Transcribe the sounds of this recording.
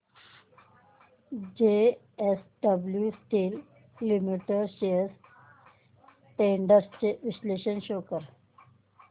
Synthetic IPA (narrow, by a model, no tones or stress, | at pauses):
d͡ʑe | esɖəbljusʈil | limiʈəɾɕeɾs | ʈeɳɖəɾst͡ɕeʋisleɕənɕoːkəɾ